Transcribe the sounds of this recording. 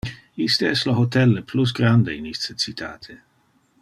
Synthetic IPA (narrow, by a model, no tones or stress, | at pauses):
ist̪eɛsloɦot̪ɛlːeplus̬ɡɾand̪einist̪ət͡sit̪ʰa̰ːt̪ʰe